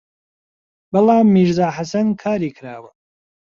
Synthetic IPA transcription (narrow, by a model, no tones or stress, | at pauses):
bɐlaːmːiːʒzaːħasɐnkʰaːɾiːkʰɾaːwɐ